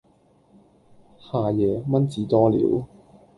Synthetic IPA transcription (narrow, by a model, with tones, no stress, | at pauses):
haː˨˧jɛː˨˧mɐ˥nt͡siː˨˥t̪ɔː˥lḭː˨˥w